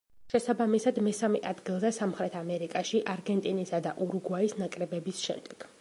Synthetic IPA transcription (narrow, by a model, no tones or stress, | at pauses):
ʃɛsabamisad̪mɛsamɛʔad̪ɡilˠzɛsamχɾɛt̪ʰamɛɾikʼaʃiʔaɾɡɛnt̪ʼinisad̪aʔuɾuɡwaisnakʼɾɛbɛbisʃɛ̰md̪̥ɛɡ̥